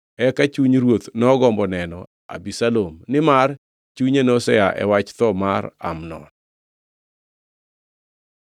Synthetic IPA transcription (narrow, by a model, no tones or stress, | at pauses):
ɛkat͡ʃuɲɾwot̪nɔɡɔmbɔnɛnɔ | a̰bisalomnɪmar | t͡ʃuɲenosɛjaʔɛ̰wat͡ʃt̪ɔmaɾa̰mnɔ̰n